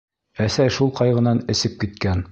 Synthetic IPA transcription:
æsæjʃulˠqɑjʁɤ̆nɑnɘ̆sɘp̚kit̪̚kæn

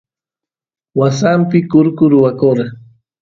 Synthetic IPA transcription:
wasampɪkʊɾkʊɾʊwakoɾ

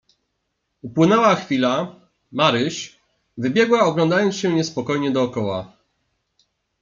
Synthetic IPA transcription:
upwɘnɛwaxfʲila | maɾɘɕ | vɘbʲjɛɡwaɔɡlɔnd̪ajɔnt̪sɕɛɲɛspɔkɔjɲɛd̪ɔːkɔwa̰

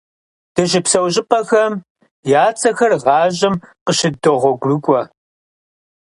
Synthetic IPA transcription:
d̥ɨʒɪpsɐwʑʼɪpʼɐxɐm | jaːt͡sʼɐxɐrʁɑːʑɐmqəʃɪdɨʁʷɔɡʷrɨkʷʼɔ

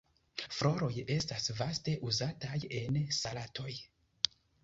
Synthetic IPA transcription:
fɾo̞ɾo̞je̞stasvaste̞ʔuzataje̞nsalatʰo̞j

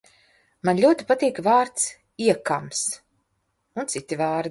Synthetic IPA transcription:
manlʲuɔt̪i̥pat̪iːkvaːɾt̪s | iɛkams | unt̪sit̪ːivaːɾd̪

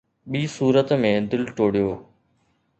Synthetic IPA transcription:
ɓiːsuːɾət̪mẽd̪ɪlʈoːɽ̤ijoː

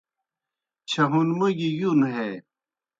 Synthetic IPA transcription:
t͡ɕʰɐɦunmuɡijunɦe

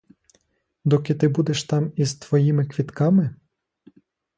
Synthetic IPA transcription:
d̪ɔkɪt̪ɪbud̪eʃt̪ɑmizt̪ʋɔjimɪkʋʲit̪kɑmɪ

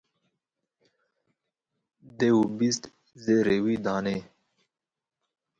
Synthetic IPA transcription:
d̪ewubist̪ | zeɾewid̪ɑːne

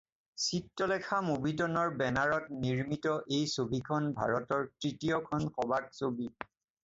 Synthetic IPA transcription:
sitːɔlɛkʰamobitɔnɔɹbɛnaɹɔt̚niɹmitɔʔejsobikʰɔnbʱa̰ɹɔtɔɹtɹitijɔkʰɔnxɔbak̚sobi

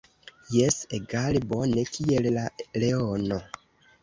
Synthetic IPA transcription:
jeseɡalibonekʰiellaleono

